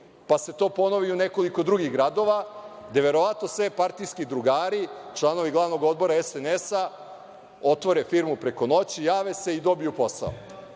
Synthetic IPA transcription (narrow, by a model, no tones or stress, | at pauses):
pase̞t̪o̞ːpo̞noʋiuneko̞liko̞d̪ɾuɡiɣɡɾad̪o̞ʋa | d̪e̞ʋe̞ɾo̞ʋat̪no̞sʋepaɾt̪ijskid̪ɾuɡaːɾit͡ʃlˠano̞ʋiɡlˠaʋno̞ɡo̞d̪̚bo̞ɾaɛsenesa | o̞t̪ʋo̞ɾefiɾmupɾe̞ko̞no̞t͡ɕijaːʋese̞id̪o̞bijupo̞sa̰o̰